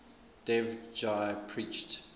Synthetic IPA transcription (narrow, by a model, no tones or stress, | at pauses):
d̥ɛvd͡ʒajpʰɹit͡ʃt